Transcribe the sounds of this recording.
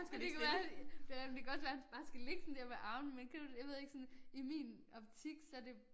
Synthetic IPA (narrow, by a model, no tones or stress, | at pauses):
d̥ekʰæʋæːɐd̥mnd̥e̝kʰæɒsʋæɐnb̥ɑ̈ːsɡ̥æle̝ɡ̥sɔnd̥eɐʋeʔɑ̈ʊnəmenkʰæjɑʋeð̰ˠe̝ɡ̥sɔ̽nimiːnɒ̽b̥̚t͡sʰiɡ̥sɒɐd̥e̝